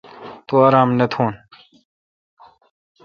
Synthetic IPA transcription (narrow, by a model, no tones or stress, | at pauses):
t̪oaɾaːmnet̪ʰuːn